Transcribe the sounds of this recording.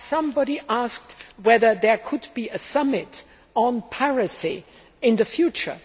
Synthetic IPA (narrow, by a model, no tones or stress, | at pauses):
sʌ̃mbɑɾiʔask̚twɛðə˞ðə˞kʰʊd̚biɨsʌmɪɾ | n̩pʰɛɹɨsi | ɪ̃nðɨfjʉt͡ʃə̰˞